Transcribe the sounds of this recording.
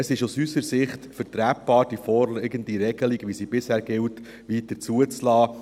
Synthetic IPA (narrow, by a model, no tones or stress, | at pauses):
əsɪʃusysəɾsɪχtfəɾtɾæːp̚bɑːɾd̥ifɔɾlɪɡəntiɾɛɡ̥əliɡʋisiːbɪshæːɾɡɪlt | ʋitːəɾt͡suət͡slɑː